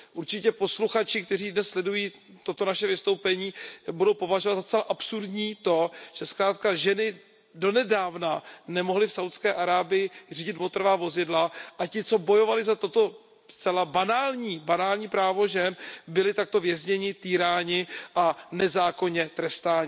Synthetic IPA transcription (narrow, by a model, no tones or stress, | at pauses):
ʔuɾt͡ʃɪcɛpo̞sluxat͡ʃɪkt̪ɛriːdnɛsslɛdujiː | t̪o̞t̪o̞naʃɛvɪst̪o̞wpɛɲiːbudo̞wpo̞vaʒovat̪zat͡sɛlaʔapsuɾdɲiːt̪o̞ʒ̥ɛskɾaːt̪̚kaʒɛnɪ | do̞nɛdaːvnanɛmo̞ɦlɪfsawt̪skɛːʔaɾaːbɪjɪr̝iːɟɪt̪mot̪ɾvaːvo̞zɪdlaʔacɪt͡so̞bo̞jo̞valɪzat̪o̞t̪o̞ | st͡sɛlabanaːlɲiːbanaːlɲiːpɾaːvo̞ʒɛnbɪlɪt̪ak̚t̪o̞vjɛzɲɛɲɪt̪iːɾaːɲɪʔanɛzaːko̞ɲɛt̪ɾɛst̪aːɲɪ